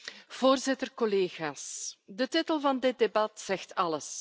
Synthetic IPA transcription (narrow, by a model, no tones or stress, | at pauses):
v̥oːrzɪtərkɔleːɣaːsdətɪtəlˠvɑndɪt̚debɑtz̥ɛxtɑləs